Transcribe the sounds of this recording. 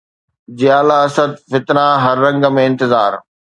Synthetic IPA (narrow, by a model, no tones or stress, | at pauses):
d͡ʑɪjaːlaɐsəd̪̚fɪt̪naɦɐɾːɐ̃ŋɡəmẽɪ̃nt̪ɪzaːɾ